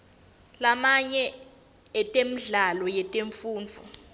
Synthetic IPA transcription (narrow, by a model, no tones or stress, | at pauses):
lamaɲɛ | ɛtʼemiɮalɔjɛtʼeɱfuːnd͡vʱu